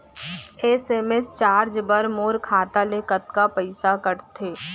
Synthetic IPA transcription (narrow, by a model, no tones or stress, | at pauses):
eːseːmest͡ʃaːɾd͡ʒbɐɾmoːɾkʰaːt̪aleːkət̪̚kapəɪsakəɾt̪ʰeː